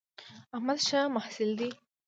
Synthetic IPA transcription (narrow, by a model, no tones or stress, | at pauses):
ahmad̪ʃamahsɪld̪i